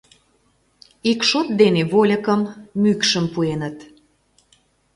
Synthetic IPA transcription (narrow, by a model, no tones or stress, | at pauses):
ikʃot̪̚d̪eneβolʲə̆kəmːykʃəmpuenət̪